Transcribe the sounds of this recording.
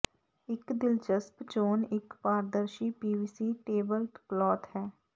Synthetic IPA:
ɪkd̪ɪld͡ʒəspt͡ʃoːnɪkpaːɾd̪əɾʃiːpiːbiːsiːʈeːbəlʈplɔːt̪hɛː

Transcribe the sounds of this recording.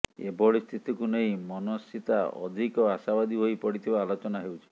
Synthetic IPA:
ḛbɔɭist̪ʰit̪ʰikunej̃mɔnosit̪aɔ̰d̪ʱikɔasabad̪ibʱojpɔɽit̪ʰibaːlot͡ʃɔnaɦewt͡ʃʰi̥

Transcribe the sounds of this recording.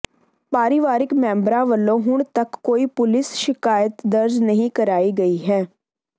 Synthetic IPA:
paːɾɪʋaːɾɪkmɛ̃ːmbɾãːʋəlːõːɦʊɳ̃t̪əkːoːiːpʊlɪsʃɪkaːjət̪d̪əɾd͡ʒnəɦĩːkəɾaːiːɡəiːɦɛː

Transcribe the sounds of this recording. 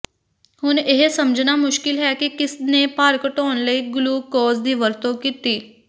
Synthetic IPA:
hʊneɦesɐmd͡ʒʱnamʊʃkɪlɦɛkikɪsnepaːɾkəʈoːnləiɡluːkɔːzd̪iʋəɾt̪õkit̪iː

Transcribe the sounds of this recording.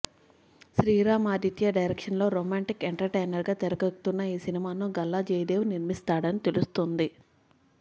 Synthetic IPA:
ʃɾiːɾaːmaːd̪it̪jɐɖɐjɾekʂɐnlo̞ːɾoːmaːɳʈikeɳʈɐɾʈeːnɐɾɡaːt̪eɾɐkɐku̥t̪unːɐiːsinimaːnuɡɐlːad͡ʒeːjd̪eːʋuniɾmist̪aːɽɐnit̪e̞lust̪ond̪i

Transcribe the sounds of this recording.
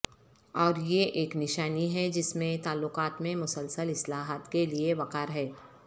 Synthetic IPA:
ɔːɾjeʔeːknɪʃaːniɦɛd͡ʒɪsmẽt̪aːlːʊqaːt̪mẽmʊsəlsəlɪslaːɦət̪kelieʋɐqaːɾɦɛː

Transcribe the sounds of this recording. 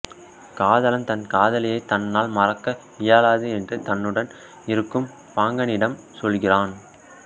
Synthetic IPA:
kaːðɐlɐmt̪ɐnkaːðɐlɐjɐɪt̪ːɐnːaːlmɐrɐkːɐ | ɪjaːlaːðɯɛndrɯt̪ɐnːɯɽɐn | ɪɾɯkːɯm | paːŋɡɐnɪɽɐm | sɔlɣɪraːn

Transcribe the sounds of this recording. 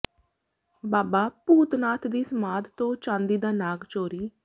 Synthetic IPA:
baːbaːpuːt̪naːt̪ʰd̪iːsəmaːd̪t̪õːt͡ʃãːnd̪iːd̪aːnaːɡt͡ʃoːɾiː

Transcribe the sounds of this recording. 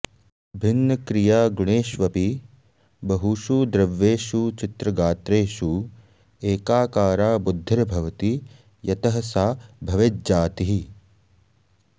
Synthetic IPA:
bʱinːɐkɾijaːɡuɳeːʃʋɐpi | bɐɦuʃud̪ɾɐʋːeːʃut͡ʃit̪ɾɐɡaːt̪ɾeːʃu | eːkaːkaːɾaːbud̪ʱːɐɾɐbʱɐʋɐt̪i | jɐt̪ɐɦɐsaːbʱɐʋed͡ʒaːt̪iɦi

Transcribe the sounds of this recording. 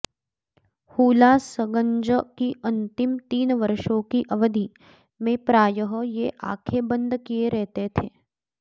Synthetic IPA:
huːlasəɡə̃ɲd͡ʒəkiɐ̃nt̪ɪmt̪iːnʋɐɾʃõkiʔɐʋəd̪ʱi | mẽpɾaːjəɦəjeʔa̰ːkʰebə̃nd̪ʱkieɾɛɦt̪et̪ʰeː

